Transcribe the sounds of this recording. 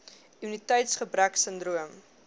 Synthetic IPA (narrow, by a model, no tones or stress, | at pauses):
munitɛjtsχəbɾæksəndruəm